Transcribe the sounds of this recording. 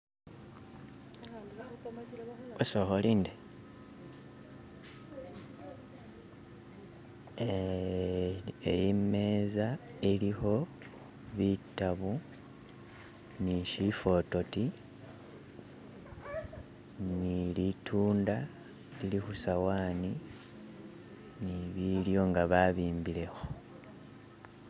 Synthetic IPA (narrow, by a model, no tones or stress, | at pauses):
osoxolinde | ejime̞ːza | eliho̞ | βitaβu | niʃifo̞to̞ti | nilitʰuːnda | lilixusawaːni | niβiljo̞ŋɡaβaβiːmbile̞xo